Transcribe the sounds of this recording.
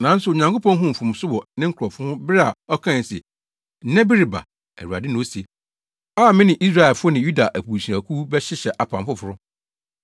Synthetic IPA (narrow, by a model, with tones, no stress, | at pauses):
nã˨n̩˦sʊ˨o˨ɲã˨ŋko˦pʰɔ̃˦ŋ˦ɦʊ̃˦m̩˨fũ˨m˨sʊ˦bɔ˨nɪ̃˦ŋ̩˦kʰʊ˨ɔ˨fʊ˦hʊ̃˦bɪ˦ɾɪ˦a˨ɔ˦kʰã˦˨sɛ˨ | n̩˦nɛ̃˦bɪ˦ɾi˨ba̰˨ | æ̰˨wu˨a̰˨dɪ˦nʊ̃˦se˨ | aː˦˨mɪ̃˦nɪ̃˨ʔi˦s̬ɾa˦ɛ˨lfʊ˦ɔ˦nɪ̃˨ju˦da˨ʔæ˨pu˨ɕi˨a˨kʰuː˦bɛ˦ɕɪ˦ɕɛ˨ʔa˨pʰã˨m˦fʊ˦fʊ˦ɾʊ˦